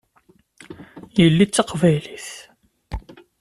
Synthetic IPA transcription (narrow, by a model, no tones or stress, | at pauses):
jəlːit͡sːɑqvæjliθ